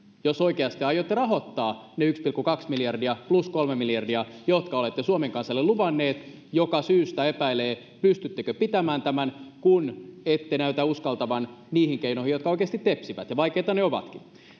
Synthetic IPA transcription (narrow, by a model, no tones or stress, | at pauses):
josoikeɑst̪iɑjˑot̪ːerɑɦot̪ːɑːneykspilkːukɑksmiljɑrdiɑpluskolmemiljɑrdiɑjot̪kɑolet̪ːesuomeŋkɑnsɑlːeluʋɑnːeːt̪ | jokɑsyːst̪æepæileː | pyst̪yt̪ːekøpit̪æmæːnt̪æmænkunet̪ːenæyt̪æuskɑlt̪ɑʋɑnniːhiŋkeinohijot̪kɑoikeːst̪it̪ːepsiʋæt̪jɑʋɑikeit̪ɑneoʋɑ̰t̪kin